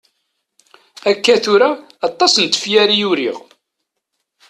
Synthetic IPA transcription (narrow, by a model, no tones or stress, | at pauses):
ækːæθuɾaː | t̪ˤːɑsənt̪ə̥fjæɾijuɾḭʁ